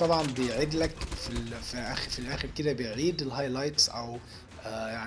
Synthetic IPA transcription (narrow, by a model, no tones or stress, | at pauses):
t̪ˤɑbʕɑnbejʕid̪lækfilfiʔæxfilʔæːxeɾked̪æbejʕiːd̪elɦɑjlɑjt̪sʔæw | ʔjaʕn